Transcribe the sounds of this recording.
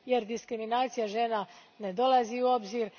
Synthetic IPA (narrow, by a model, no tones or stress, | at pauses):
je̞ɾd̪iskɾiminaːt̪sijaʒe̞ːna | ne̞d̪o̞lˠaziuo̞bziːɾ